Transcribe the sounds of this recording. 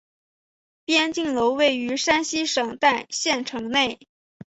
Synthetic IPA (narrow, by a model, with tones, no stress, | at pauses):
pjɛ˥nt͡ɕi˥˩ŋlo˧˥ʊwe˥˩ɪy˧˥ʂa˥nɕi˥ʂɤ˨˩ŋt̪a˥˧ɪɕjɛ˥˩nʈ͡ʂʰɤ˧˥ŋne˥˩ɪ